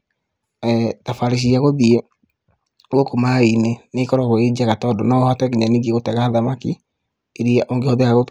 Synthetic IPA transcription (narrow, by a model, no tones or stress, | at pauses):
ɛtafaɾiʃ̬iaɣoðie | ookomainenekɔɾɔɣoed͡ʒiaɣatɔdɔnɔhatɛɣeɲaniɡeɣotɛɣaðamaki | eɾiaʔoŋɡehɔðeaɣo